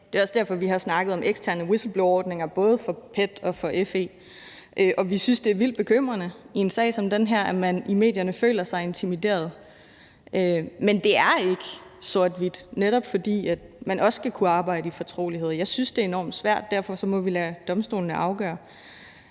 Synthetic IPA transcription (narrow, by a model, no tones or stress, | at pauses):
d̥e̝ɒ̽sd̥æɐfɒ̽ʋiɦɑ̈snɑ̈ɡ̥ð̞̩ˠɒ̽mʔeɡ̥stʰæɐnəwisl̩b̥loɒːd̥ne̝ŋɐb̥ɔ̽ːð̞ˠfɒ̽pʰed̥ɒ̽fɒ̽ʔefe̝̰ː | ʔøʔɒ̽ʋisynsd̥e̝æɐʋil̰d̥̚b̥e̝kʰøm̰ʁɐnəie̝nsɛ̰ːɪsɒ̽md̥enɦæɐ̰æmænime̝̰ːd̥jɐnəfø̰ːlɐsɑ̈ɪe̝nt͡sʰimid̥e̝̰ːɐð̞̩ˠ | ʔømend̥e̝æɐe̝ɡ̥ə | soɐ̰d̥ʋid̥neɾ̥ɒ̽b̥fɒ̽d̥ḭːæd̥mænɒ̽sɡ̥ækʰuɑ̈ːb̥ɑ̈ɪ̰ɾəifɒt͡sʰʁo̝̰ːliɦe̝ð̞̰ˠɐjɑ̈ɪsynsd̥e̝ɐe̝nɒ̰ːmd̥sʋæɐ̰d̥ːæɐ̰fɒ̽sɒ̽mɒ̽ʋilæd̥ɒ̽msd̥o̝ːln̩əɑ̈ʊɡ̥ɶ̰ːɐ